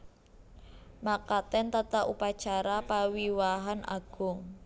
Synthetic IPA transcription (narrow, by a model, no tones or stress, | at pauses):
makat̪ɛnt̪at̪aʔupat͡ʃaɾapawiwaɦanʔa̰ɡ̥ʊŋ